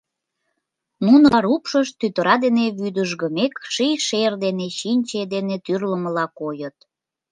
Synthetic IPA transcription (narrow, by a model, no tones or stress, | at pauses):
nunɑɾupʃəʃt̪yt̪əɾɑd̪eneβyd̪əʒɣəmekʃijʃerd̪eneɕinʲt͡ɕed̪enet̪yrləməlɑkojət̪̚